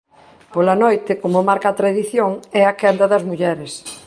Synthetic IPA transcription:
polanojt̪ɪkomomaɾkat̪ɾaðiθjoŋɛakand̪ɐðɐzmuʎɛɾɪs

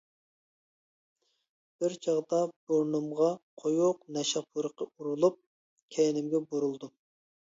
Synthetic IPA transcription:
b̥ɪɾt͡ʃʰɑʁd̪ɑb̥oɾnumʁɑqʰojuqnɛʃɑpʰːuɾəqʰɑuɾulˠup̚ | kʲʰɛnɪmɡʲɛbuɾulˠd̪u

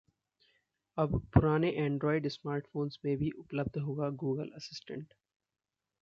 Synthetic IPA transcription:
əbpʊɾaːneʔɛ̃ːɳɖɾɔːɪɖsmaːɾʈfoːnsmeːbʱiːʔʊpləb̚d̪ʱɦoːɡaɡuːɡəlɐsɪsʈə̰̃ɳʈ

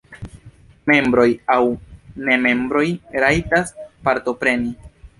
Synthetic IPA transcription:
me̞mbɾo̞jawne̞me̞mbɾo̞jɾajtaspaɾto̞pɾe̞ni

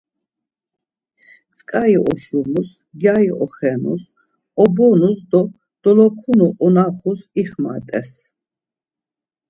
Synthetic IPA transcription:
t͡sʼkʼaiʔɔʃumus | ɡjaiʔɔχɛnṵs | ɔbɔnusd̪ɔ | d̪̥ɔlɔkʰunuʔɔnaχusiχma̰t̪ʼɛs

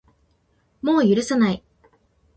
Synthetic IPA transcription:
mo̞ːjɯɾɯ̟sanai

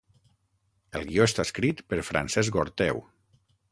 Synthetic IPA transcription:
əlˠɣioest̪askɾit̪pəɾfɾa̰nsɛzɡoɾt̪ɛw

